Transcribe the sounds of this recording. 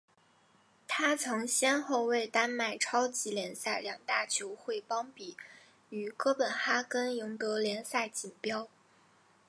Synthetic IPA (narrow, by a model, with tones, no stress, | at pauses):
t̪ʰa˥t͡sʰɤ˧˥ŋɕjɛ˥nxo˥˧ʊwe˥˩ɪt̪a˥nma˥˩ɪʈ͡ʂʰɑ˥ʊt͡ɕi˧˥ljɛ˧˥nsa˥˩ɪljɑ˨˩ŋt̪a˥˩t͡ɕʰjo˧˥ʊxwe˥˩ɪpɑ˥ŋpi˨˩˦ | y˨˩kɤ˥pə˨˩nxa˥kə˥ni˧˥ŋt̪ɤ˧˥ljɛ˧˥nsa˥˩ɪt͡ɕi˨˩npjɑ˥ʊ